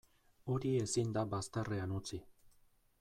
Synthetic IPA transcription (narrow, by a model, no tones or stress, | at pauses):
o̞ɾie̞sind̪abast̪areanut͡si